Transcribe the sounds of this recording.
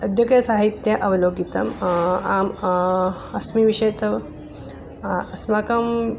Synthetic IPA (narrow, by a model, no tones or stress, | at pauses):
ɐd̪ʱjɐkjɐsaɦit̪jɐʔəʋloɡit̪ɐ̰mam | ɐsmiʋiɕɐjt̪ʰɐʋ | ɐsmakɐm